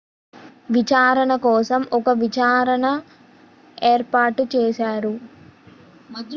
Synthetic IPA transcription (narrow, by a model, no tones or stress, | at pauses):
ʋit͡ʃaːɾɐɳɐkɔːsɐmɔkɐʋit͡ʃaːɾɐɳɐ | eːɾpaːɾʈt͡ʃeːʃaːɾu